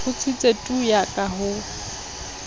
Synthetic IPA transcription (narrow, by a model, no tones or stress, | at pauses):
ʊt͡sʰɪt͡sʼetʼujakʼaɦʊ